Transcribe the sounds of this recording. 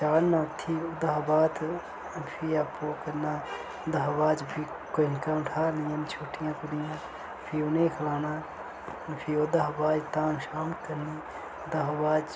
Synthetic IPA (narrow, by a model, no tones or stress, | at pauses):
t͡ʃaːɾnat̪ʰːiʊd̪ɐɦbaːt̪ | pʰiaːpokɐɾna | d̪ɐɦbaːd͡ʒpʰi | koɪnkaʊ̃ʈʰaːlijãːnt͡ʃʰuːʈijãkʊnijãː | pʰiʊnekʰɐlaːna | pʰiod̪ɐɦbaːd͡ʒt̪ãːnʃaːmkəɾni | d̪ɐɦbaːd͡ʒ